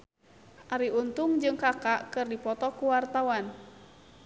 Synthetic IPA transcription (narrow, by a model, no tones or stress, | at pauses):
ʔaɾiunt̪uŋd͡ʒɨŋkakaʔkɨrdipɔt̪ɔkuwart̪awan